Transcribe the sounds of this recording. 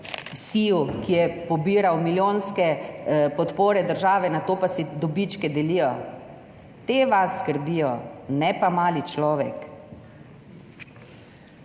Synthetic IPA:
siwkijɛpɔbiːɾawmiljoːnskɛpɔt̪poːɾɛd̪əɾʒaːʋɛnat̪oːpasid̪ɔbit͡ʃkɛd̪ɛliːjɔ | t̪eʋasːkəɾbiːjɔnɛpamaːlit͡ʃlɔːʋɛk

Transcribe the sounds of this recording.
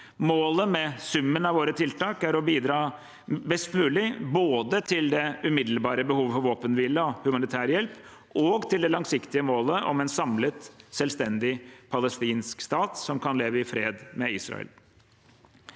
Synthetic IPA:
moːləmɛsʉmːənɑʋoːɾət̪ʰɪlt̪ʰɑːkæɾɔbiːd̪ɾɑː | bɛst̪mʉːlɪboːd̪ət̪ʰɪld̪ɛʉmɪd̪l̩bɑːɾəbəhuːʋfɔɾʋoːpənʋɪləɔhʉmɑnɪt̪ʰæːɾjɛlp | ɔɡt̪ʰɪld̪ɛlɑŋsɪkt̪ɪəmoːləʔɔ̰mɛnsɑmlət̪sɛlst̪ɛnd̪ɪpʰɑləst̪iːnskst̪ɑːt̪sɔmkʰɑnleːʋəɪfɾeːd̪mɛɪːsɾɑ̰ɛ̰l

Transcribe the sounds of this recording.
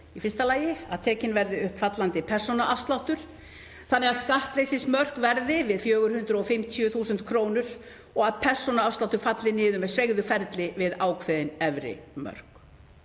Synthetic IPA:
ifɪnst̪alaːjɪa̰ðt̪ʰɛːcɪnvɛɾðɪʏhpfat̪lant̪ɪpʰɛr̥sɔnaʔafst̪lawht̪ʏɾ̥ | θanːɛɣaðskaht̪lejsɪsmœr̥kvɛɾðɪvɪðfjœːɣʏɾ̥hʏnd̪ɾʏɔfɪmt̪ʰjʏθuːsʏnt̪kʰɾoːwnʏɾ̥ | ɔɣaðpʰɛr̥sɔnaafst̪lawht̪ʏɾ̥fat̪lɪnɪːðʏmɛðsvejɣðʏfɛɾt̪lɪvɪðaːwkʰvɛðɪnɛvɾɪ̰mœ̰r̥k

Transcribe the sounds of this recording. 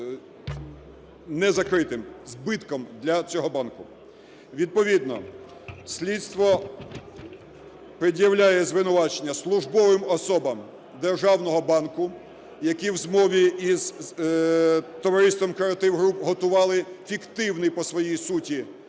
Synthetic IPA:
nɛzɐkɾɪt̪ɪmzbɪt̪kɔmd̪lʲɐt͡sʲɔɦɔbɑnkʊ | ʋʲid̪̚pɔʋʲid̪nɔ̰ | sʲlʲit̪st̪ʋɔ | pɾɪdʲjɐwlʲajɛzʋɪnʊʋɑt͡ʃenʲːɐslˠʊʒbɔʋɪmɔsɔbɐm | d̪erʒɑwnɔɦɔbɑnkʊ | jɐkiwzmɔʋʲiiz | t̪ɔʋɐɾɪst̪ʋɔmkɾeɐt̪ɪwɦɾupɦɔt̪ʊʋɑlˠɪfʲikt̪ɪwnɪjpɔsʋɔjijsutʲi

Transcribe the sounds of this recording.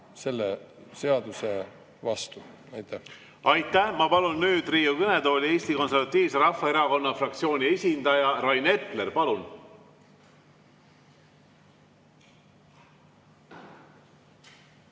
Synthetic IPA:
se̞lːese̞ɑd̪̥use | vɑst̪u | ɑjt̪ːˑæh | ɑjt̪ːˑæhmɑpɑlunːyːd̪riːukɤne̞d̪o̞ːlʲie̞ːst̪iko̞nseɾvɑt̪ːˑiːvseɾɑfːɑe̞ɾɑko̞nːɑfrɑk̚t̪sio̞ːnʲie̞sʲind̪ɑjɑɾɑjne̞t̪ˑle̞rpɑlun

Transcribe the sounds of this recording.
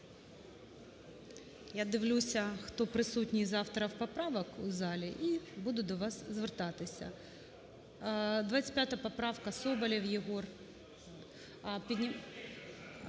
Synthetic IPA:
jad̪ɪwlʲusʲɐxt̪ɔpɾɪsutʲnʲijzɑwt̪ɾɐwpɐpɾɑʋɐkuzɑlʲiʔibud̪ʊd̪ɔʋɑszʋert̪ɑt̪ɪsʲɐ̰ | d̪ʋat͡sʲɪ̥pʲjat̪ɐpɐpɾɑwkɐsɔbɐlʲiwjeɦɔr | pʲinʲi

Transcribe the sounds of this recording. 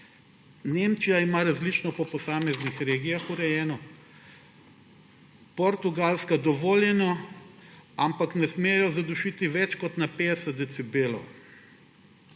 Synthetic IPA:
nemt͡ʃijaimaɾazlit͡ʃnɔpɔpɔsaːmɛznixɾeːɡijaxuɾɛjɛːnɔ | pɔɾt̪uɡalskad̪ɔʋoːljɛnɔ | ampaknɛsmeːjɔzad̪uʃit̪iʋɛt͡ʃkɔt̪naped̪ɛsɛt̪d̪ɛt̪sibeːlɔ̰w

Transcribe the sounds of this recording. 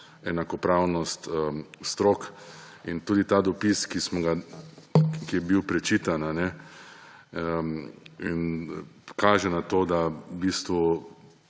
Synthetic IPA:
ɛnakɔpɾawnɔst̪st̪ɾoːk | int̪uːd̪it̪ad̪ɔpiskismɔɡa | kijɛbiwpɾɛt͡ʃiːt̪ananɛ | in | kaːʒɛnat̪oːd̪abiːst̪ʋu

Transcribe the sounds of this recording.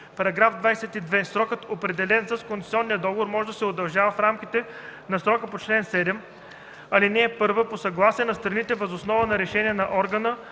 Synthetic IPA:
pɐɾɐɡɾafd̪vajsɛt̪id̪vɛsɾɔkɤt̪opɾɛd̪ɛlɛnsɐskonsɛ̥t̪iɔnːijəd̪ɔɡovoɾmɔʒd̪əsɛod̪ɐlˠʒavəfɾamkit̪ɛ | nɐsɾɔkəpot͡ʃlɛnsɛd̪ɛm | ɐlinɛːpɤɾvəposɐɡlˠasiɛnɐst̪ɾɐnit̪ɛvɐzosnɔvənɐɾɛʃɛniɛnɐʔɔɾɡənə

